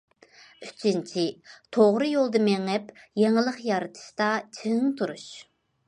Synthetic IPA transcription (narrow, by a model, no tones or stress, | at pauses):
yt͡ʃʰint͡ʃʰit̪ʰoʁɾɨjolˠd̪ɨmɛŋɛpjeŋɪlˠəχjɑɾɨt̪ʰɨ̥ʃt̪ɑt͡ʃʰeŋt̪ʰuɾuʃ